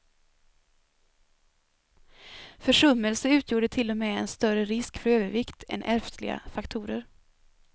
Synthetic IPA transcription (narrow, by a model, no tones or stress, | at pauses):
fœʂɵmːəlsəʉ̟ːt̪ʰjuːɖət̪ʰɪlːɔmɛːɛnst̪œɾəɾɪskfœɾøːvəɾvɪkt̪ʰɛ̰nʔæɾft̪ʰlɪ̰ɡa̰fakt̪ʰuːɾəɾ